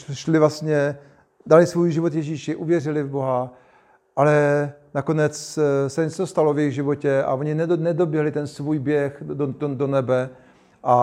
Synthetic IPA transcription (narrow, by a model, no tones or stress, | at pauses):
ʃlɪvlast̪ɲɛ | dalɪsvuːjʒɪvot̪jɛʒiːʃɪʔuvjɛr̝ɪlɪvbo̞ɦa | ʔalɛnako̞nɛt͡ssɛɲɛt͡sost̪alovjɛɣʒɪvo̞cɛa̰voɲɪnɛnɛdobjɛɦlɪt̪ɛnsvuːjbjɛxdonɛbɛ | ʔa